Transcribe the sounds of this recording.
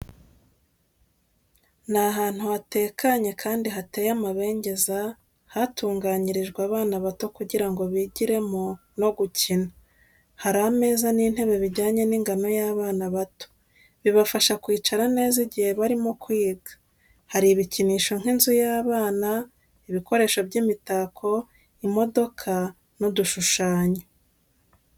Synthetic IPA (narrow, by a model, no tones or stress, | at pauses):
naɦaːn̥huhate̞ːkaɲe̞kʰaːndiɦate̞ːjamaβe̞ːɲɟe̞za | hatuːŋɡaɲiɾiʒɡwaːβaːnaβato̞kuɟiɾaŋɡo̞βiɟiɾe̞mo | no̞ɡucina | haɾame̞ːzaniːn̥he̞βe̞βiɾɟaːɲe̞niŋɡano̞jaːβaːnaβato̥ | βiβafaʃakwiːt͡ʃaɾane̞ːziɟihe̞βaɾimo̞kwiːɡḁ | haɾiːβiciniːʃo̞ŋ̥inzujaːβaːna | iβiko̞ɾe̞ːʃo̞bɟiːmitakʰo̞ | imo̞do̞kʰa | noduʃuʃaːɲo